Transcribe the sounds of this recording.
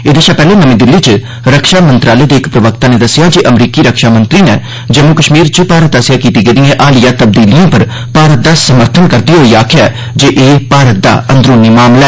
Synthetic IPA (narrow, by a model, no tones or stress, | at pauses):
ed̪eːʃapɛːlenəmẽːd̪ɪlːit͡ʃ | ɾəkʃaːmə̃nt̪ɾaːleːd̪eɪkpɾəʋəkt̪aned̪ɐsɪjad͡ʒiʔəmɾiːkiɾəkʃaːmə̃nt̪ɾinḛː | d͡ʒeːmukəʃmiːɾt͡ʃəpaːɾət̪̚d̪aːsɪjaːkiːt̪iɡeːd̪iẽʔaːlɪjat̪əb̚d̪iːlɪjãpɐɾ | paːɾət̪̚d̪asəməɾt̪ʰənkəɾd̪iɦoːiːaːkʰɪjaː | d͡ʒeːʔeːpaːɾət̪̚d̪a̰ːə̰̃nd̪ɾoːnimaːmlɛː